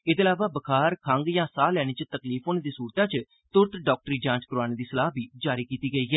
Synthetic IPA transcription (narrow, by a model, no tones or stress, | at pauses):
ɪd̪eəlaːʋaːbəkʰaːɾkʰəŋɡjãːsaːlɛːɽ̃iːt͡ʃət̪əkliːfɦoːneːd̪iːsuːɾt̪ãːt͡ʃə | t̪ʊɾt̪ɖɔːk̚ʈəɾiːd͡ʒãːt͡ʃkʊɾaːneːd̪iːsəlaːɦbiːd͡ʒaːɾiːkiːt̪iːɡəiːɦɛː